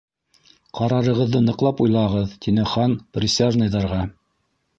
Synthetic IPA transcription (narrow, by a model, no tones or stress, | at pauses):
qɑɾɑɾɤ̆ʁɤ̆ðːɤnɤ̆qlˠɑpujlˠɑʁɤðt̪ʰʲinɘχɑnprʲɪsʲaʒnɤjðɑɾʁɑ